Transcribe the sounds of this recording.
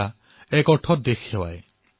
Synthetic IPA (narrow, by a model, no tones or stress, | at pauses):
a | ɛkɔʈʰɔd̪exʰhewa̰j